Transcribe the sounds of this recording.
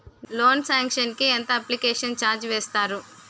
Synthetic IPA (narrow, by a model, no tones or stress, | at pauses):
lo̞ːnsaːŋkʂɐnkient̪ɐɐplikɛːʂɐnt͡ʃaːɾd͡ʒʋɛːst̪aːɾu